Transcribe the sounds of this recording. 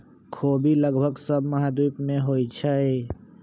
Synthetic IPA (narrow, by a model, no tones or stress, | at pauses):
kʰoːbiləɡbʱəɡsəbmɐɦad̪uːpmẽɦoːit͡ʃʰaɦeː